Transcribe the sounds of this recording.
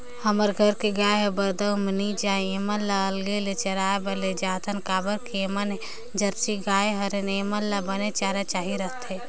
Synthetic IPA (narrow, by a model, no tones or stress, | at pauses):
həməɾɡʱəɾkeɡaːeɦɛbəɾd̪əmənit͡ʃaːeeməlːaəlɡelet͡ʃəɾaːebəɾled͡ʒaːt̪ʰənkaːbəɾkemən | d͡ʒəɾt͡ʃiɡaːeɦəɾeneːməlːabənet͡ʃaːɾat͡ʃaːɦiɾət̪e